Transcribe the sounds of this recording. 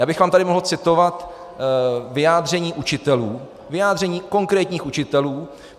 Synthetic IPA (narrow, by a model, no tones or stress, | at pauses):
jaːbɪxvaːmt̪adɪmoɦl̩t͡sɪt̪o̞vat̪ | vɪjaːd̪r̝ɛɲiːʔut͡ʃɪt̪ɛluː | vɪjaːd̪r̝ɛɲiːko̞ŋkɾɛːt̪ɲiːxut͡ʃɪt̪ɛluː